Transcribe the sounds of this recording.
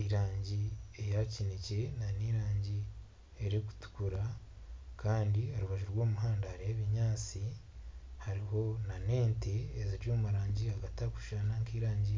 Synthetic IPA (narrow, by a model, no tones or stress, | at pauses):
iɾaːɲɟiejacinece̞naniɾaːɲɟi | eɾeku̥tu̥kuɾa | kaːndihaɾuβaʒuɾɡwo̞ːmuɦaːndahaɾiheβiɲaːt͡si | haɾiho̞nane̞ːnteːziɾjomuɾaːɲɟiaɡataku̥ʃanaŋkiːɾaːɲɟi